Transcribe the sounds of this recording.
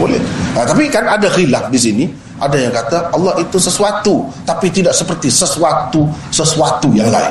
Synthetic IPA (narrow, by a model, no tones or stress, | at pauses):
bolɛ̰ht̪apikanadaxilaf̚disini | ʔadajaŋkat̪aɑlːɑhit̪usəsuat̪ut̪apit̪idaʔsəpərt̪isəsuat̪usəsuat̪ujaŋla̰ɪ̰